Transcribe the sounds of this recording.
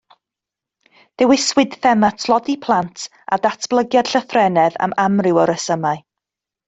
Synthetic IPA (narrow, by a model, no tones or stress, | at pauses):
d̥ɛwɪswɪd̥θɛmatʰlˠɔdipʰlˠantʰ | a̰datʰb̥lˠəɡjad̥ɬəθrɛnɛða̰mamrɪwɔɾəsəmaɨ